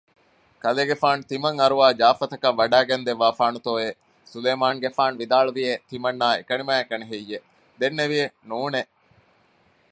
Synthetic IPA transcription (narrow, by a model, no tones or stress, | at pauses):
kɐleːɡefaːnut̪imɐŋɐɾuʋaːd͡ʒaːfɐt̪ɐkɐʋːɐɖæːɡend̪eʋːaːfaːnut̪oːe | suleːmaːŋɡefaːnuʋid̪aːɭuʋiet̪imɐnːaːḛkɐnimæːekɐneɦejːe | d̪enːeʋijenuːne